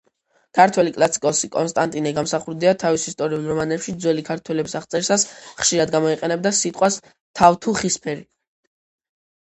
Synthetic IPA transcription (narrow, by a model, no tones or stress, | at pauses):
kʰaɾt̪ʰwɛlikʼlˠasi̥kʼɔsikʼɔ̰nst̪ʼant̪ʼinɛɡamsaχuɾd̪iat̪ʰavisist̪ʼɔɾiulˠɾɔmanɛpʃid̪zwɛlikʰaɾt̪ʰwɛlɛbisaχt̪sʼɛɾsasχʃiɾad̪ɡamɔiqʼɛnɛbd̪asit̪ʼqʼwas | t̪ʰavt̪ʰuχispʰɛɾi